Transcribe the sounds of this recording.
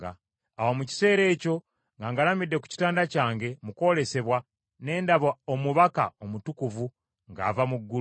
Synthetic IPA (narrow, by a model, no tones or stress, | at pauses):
a̰ː | womuci̥se̞ːɾe̞ːco̞ | ŋɡaːŋɡalamidːe̞ku̥ci̥taːndacaːŋɡe̞muko̞le̞se̞βwa | ne̞ːndaβaomuβaka̰omutukuvu | ŋɡa̰ːvamuɡːu